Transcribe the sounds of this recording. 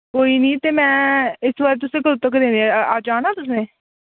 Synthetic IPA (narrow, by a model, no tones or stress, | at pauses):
koːiːnĩːt̪eːmɛ̃ːɪsʋaːɾet̪ʊsẽːkəɾʊt̪əkɾẽːneaːd͡ʒaːɽ̃aːt̪ʊs̬nẽː